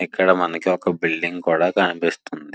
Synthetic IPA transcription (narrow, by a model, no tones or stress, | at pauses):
ɛkːɐɽɐmɐnɐkiɔkɐbilɖiŋɡkuːɽaːkɐnipist̪und̪i